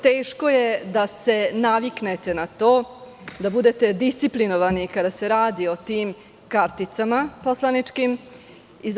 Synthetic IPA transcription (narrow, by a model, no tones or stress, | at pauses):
t̪eːʃko̞jed̪ase̞naʋiknet̪e̞nat̪oː | d̪abud̪e̞t̪e̞d̪ist̪siplinoʋanikad̪ase̞ɾaːd̪io̞t̪iːm | kaɾt̪it̪samaposlˠanit͡ʂkim | iz